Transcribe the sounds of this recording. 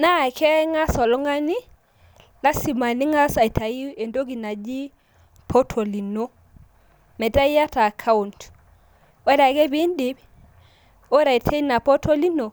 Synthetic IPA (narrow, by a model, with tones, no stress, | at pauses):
na˦˨kʰɛ˦ŋa˦sɔ˨lɔ˦ŋa˦ni˦ | la˦si˨ma˨ni˦ŋa˦sa˨i˨tʰa˨ji˦e˨ndo˦ɡi˨na˨d͡ʒi˦ | pʰo˦tʰo˨li˨no˦ | mɛ˨da˦i˦a˦ta˨kʰa˦u˨nt | e˦ɾa˨kɛ˦bi˦ndi˦b | o˦ɾa˨i˨tʰe˦na˨po˦to˦li˦no˨